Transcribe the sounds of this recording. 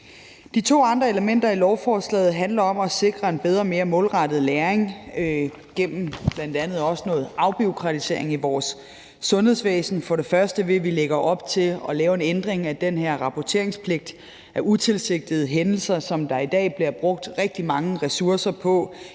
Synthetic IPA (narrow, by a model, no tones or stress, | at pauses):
d̥it͡sʰo̝̰ːɑ̈nd̥ʁɐe̝ləmen̰d̥ɐilɒʊfɒːslɛ̰ːð̩ˠɦænlɐɒ̽mɒ̽se̝ɡ̥ʁɐe̝nb̥eð̞ˠʁɐme̝ːɐmɔ̽ːlʁɑ̈d̥ð̞̩ˠleːɐeŋ | ɡ̥em̰m̩b̥læn̰d̥ænð̞̩ˠɒ̽sənɔ̽ːð̩ˠɑ̈ʊb̥io̝kʰʁɑ̈t͡sʰise̝ɐ̰e̝ŋiʋɒːsː | ɔ̽nhe̝ð̰ˠsʋɛ̰ːsn̩fɒ̽ɾe̝fɶɐsd̥əʋe̝ʋileɡ̥ɐʔɒ̽b̥t͡sʰe̝lɒ̽lɛːʊe̝nend̥ʁeŋæd̥enɦeɐ̰ʁɑ̈pʰɒt͡sʰe̝ɐe̝ŋspʰle̝ɡ̥̚d̥ | ʔæʔut͡sʰe̝lse̝ɡ̥̚d̥ið̞̩ˠɦenl̩sɐsɒ̽md̥ɑ̈id̥ɛ̰ːb̥liɐb̥ʁɔ̽ɡ̥̚d̥ʁɛɡ̥̚d̥imɑ̈ŋəʁɛsuɐsɐpʰɒ̽